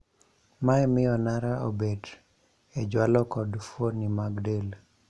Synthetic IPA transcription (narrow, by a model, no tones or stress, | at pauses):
maɛmɪjɔnaɾaʔo̰bed | ɛd͡ʒwalɔkɔdfwonimaɡdel